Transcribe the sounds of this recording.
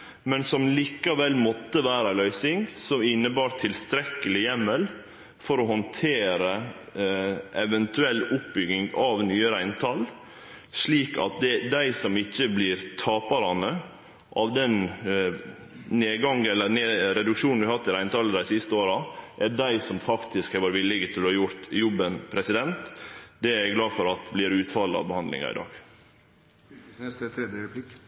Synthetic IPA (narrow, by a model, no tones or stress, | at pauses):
mɛnsɔmliːkɑʋɛlːmɔt̪ːəʋæːɾəælœʏsɪŋsɔmɪnːəbɑːɾt̪ʰɪlst̪ɾɛkːəlɪjɛmːəl | fɔɾɔɦɔnt̪ʰeːɾə | ʔɛʋɛnt̪ʉɛlːʊp̚bʏɡɪŋɡɑʋnyːəɾæɪnt̪ʰɑl | ʂɭiːkɑ̰t̪̚d̪ɛd̪æɪsɔmɪçːəblɪːɾt̪ʰɑːpɑɾɑnə | ʔɑʋd̪ɛn | neːɡɑŋɛlːəɾneːɾɛd̪ʉkʂuːnd̪ʉhɑhɑt̪ːɪɾæɪnt̪ʰɑːləd̪æɪsɪst̪əoːɾɑʔæɖæɪsɔmfɑkt̪ɪskhæʋɑːɾʋɪlːɪɡət̪ʰɪld̪ʉhɑɾjʊɾt̪jɔbənpʰɾɛsɪd̪ɛnt̪d̪ɛæɛɡlɑːfɔɾɑt̪blɪɾʉːt̪fɑlːəɑ̰ʋbəhɑnlɪ̰ŋɑ̰ɪ̰d̪ɑ̰ːɡ̥ | ɾɛd̪əɾɛplɪk